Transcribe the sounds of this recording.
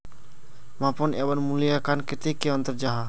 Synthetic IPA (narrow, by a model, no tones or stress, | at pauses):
mãpɔnebənmulijakankɪt̪ekːeənt̪əɾd͡ʒaɦa